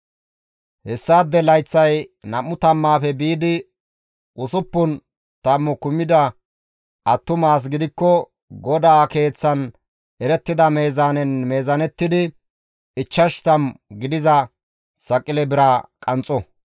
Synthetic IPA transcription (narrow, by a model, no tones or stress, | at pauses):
hɛsːaːd̪ːɛlɐjt͡sːɐjnɐmːʊt̪ɐmːaːfɛbiːd̪ɪ | ʔʊsʊpːʊn | t̪ɐmːɔkʊmːɪd̪ɐ | ʔɐt̪ːʊmaːs̬ɡɪd̪ɪkːɔ | ɡɔd̪aːke̞ːt͡sːɐn | ʔɛɾɛt̪ːɪd̪ɐme̞ːzaːnɛnme̞ːzɐnɛt̪ːɪd̪ɪ | ɪt͡ʃːɐʃt̪ɐmɡɪd̪ɪzɐ | sɐkʼːɪlɛbɪɾaːkʼɐnt͡sʼɔ